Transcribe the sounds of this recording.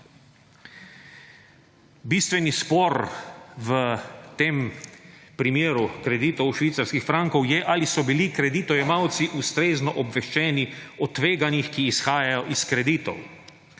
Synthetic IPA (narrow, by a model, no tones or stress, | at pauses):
biːst̪ʋɛnispɔɾʋət̪eːm | pɾimeːɾukɾɛd̪iːt̪ɔwʃʋit̪saɾskixfɾaŋkɔwjɛʔalisɔbilikɾɛd̪it̪ɔjɛmawt̪siʔust̪ɾeːznɔʔɔbʋɛʃt͡ʃɛːniɔt̪ːʋeːɡanixkiːsxaːjajɔʔiskɾɛd̪iːt̪ɔ̰w